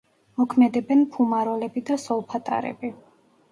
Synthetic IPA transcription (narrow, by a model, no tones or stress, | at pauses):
mɔkʰmɛd̪ɛbɛnpʰumaɾɔlɛbid̪asɔlˠpʰat̪ʼa̰ɾɛ̰bi